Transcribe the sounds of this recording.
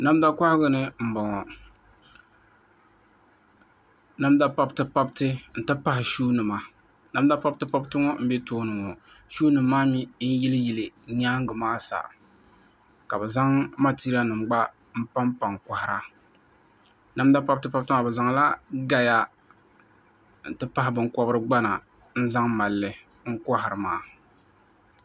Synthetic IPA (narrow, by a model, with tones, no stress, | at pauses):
na˦m˦da˦ka˦hɪ˦ɡɨ˦nɨ˦m̩˨bɔ˨ŋɔ˨ | na˦m˦da˦pa˦btɨ˦pa˦btɨ˦n̩˨ta˦pa˦hɪ˨ʃuː˦nɨ˨ma˨ | na˦m˦da˦pa˦btɨ˦pa˦btɨ˦ŋɔ˦m̩˦be˦toː˦nɨ˨ŋɔ˨ | ʃuː˦nɨ˨mː˦aː˦mi˦ji˦lɨ˦ji˨lɨ˨ni˦a˦ŋ˦ɡɨ˨maː˦sa̰˨ | ka˨bɛ˨za˦ŋma˦ti˦ɾi˦a˦nɨ˨mɡ͡ba˦ | m̩˦pa˦mpa˨ŋka˨hɪ˨ɾa˦ | na˦m˦da˦pa˦b̚tɨ˦pa˦b̚tɨ˦ŋa˨bɛ˨za˨ŋla˦ɡa˦ja˦ | n̩˨tɨ˦pa˦ɦɪ˨bɨ˦ŋkɔ˦bɨ˦ɾɨ˦ɡ͡ba˦na˨ | n̩˦za˦ŋma˨lːɨ˨ | ŋ̩˦kɔ˦ɦɪ˨ɾɨ˨maː˨˦˨